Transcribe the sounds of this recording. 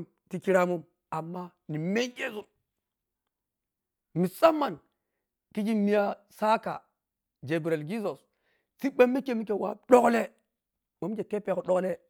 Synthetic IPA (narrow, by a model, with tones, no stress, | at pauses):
m | ti˨ki˦ɾa˦mu˦m | a˨mːa˦ni˨me˦ke˦zu˨n | mi˨sa˦mːa˨n | ki˦d͡ʒi˦mi˦ja˦ | sa˦ka̰˨ | d͡ʒe˨bɾe˨lɡi˦zo˨s | t͡si˦ɓe˦mːi˦ke˦mi˦ke˨wa̰˨ɗo˦kle˦ | wo˨˦mi˦d͡ʒe˨ke˦pe˦˨ko˨ɗo˦kle˦